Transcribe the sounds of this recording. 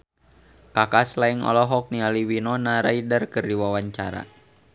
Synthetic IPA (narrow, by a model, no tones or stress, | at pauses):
kakaslaiŋɔ̰lɔɦɔk̚nialiwinɔnaɾaidərkɨrdiwawaɲt͡ʃaɾa̰